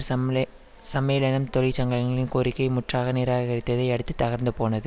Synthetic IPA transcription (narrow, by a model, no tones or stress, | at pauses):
sɐmeːlɐnɐmt̪ɔɻɪt͡ʃɐŋɡɐlɐŋɡɐɭɪnkoɾɪkːɐɪmʊʈraːɣɐniːɾaːɣɐɾɪt̪ːɐðɐɪɐɽɯt̪ːɯt̪ːɐɣɐɾnd̪ɯpoːnɐðɯ